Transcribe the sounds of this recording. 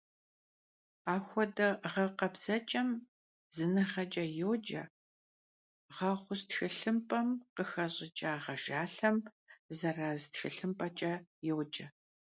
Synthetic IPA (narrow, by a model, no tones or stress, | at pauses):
aːxʷɔdɐʁɐqɐbz̥ɐt͡ʃʼɐm | zɨnɨχɐt͡ʃʼɐjoːd͡ʒɐ | ʁɐχʷʊstxɨɬɨmpʼɐmqəxɐɕʼɪt͡ʃʼaːʁɐʒaːɬɐm | zɐraːztxɨɬɨmpʼɐt͡ʃʼɐjoːd͡ʒɐ